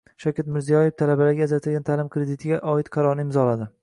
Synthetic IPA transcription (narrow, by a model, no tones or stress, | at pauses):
ʃakʲat̪mɪɾzijɒjeft̪ʰalabalaɡʲaːzat̪ʰɪlɡʲant̪ʰalɪmkʰɾed̪ɪt̪ʰɪɡʲaʔɒɪt̪qʰɑɾɒɾnɪɪmzɒlad̪ɪ